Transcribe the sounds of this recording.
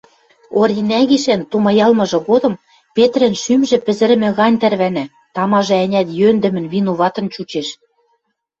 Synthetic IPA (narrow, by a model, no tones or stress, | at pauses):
orʲinæɣiʃænt̪umɑjɑlmɤ̆ʒɤ̆ɣod̪ɤ̆m | pet̪ɾɘ̆nʃymʒɘ̆pɘ̆zɘ̆ɾɘ̆mɘ̆ɣɑnʲt̪ærβænæ | t̪ɑmɑʒɤ̆ænʲæt̪jønd̪ɘ̆mɘ̆nβinuβɑt̪ɤ̆nt͡ɕut͡ɕeʃ